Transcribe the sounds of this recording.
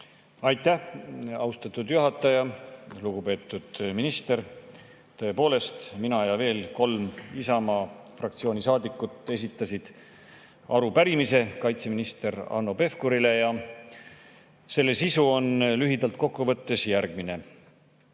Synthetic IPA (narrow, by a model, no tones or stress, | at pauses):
ɑjt̪ːˑæhɑwst̪ɑt̪ˑud̪̥juɦɑt̪ːˑɑjɑluɡ̥upe̞ːt̪ːˑud̪̥minist̪e̞ɾ | t̪ɤ̞e̞po̞ːle̞st̪minɑɑjɑve̞ːlko̞lmisɑmɑ | frɑkt̪sioːnʲisɑːd̪ikːˑut̪ːˑe̞s̬ʲit̪ːˑɑsid̪̥ | ɑɾupæɾimise̞kɑjt̪se̞minist̪e̞ɾɑ̰nːo̞pe̞fkoɾile̞jɑ | se̞lːe̞sisuo̞nlyɦid̪ɑlt̪̚ko̞kːuvɤ̞t̪ːe̞sjæɾɡ̥mine̞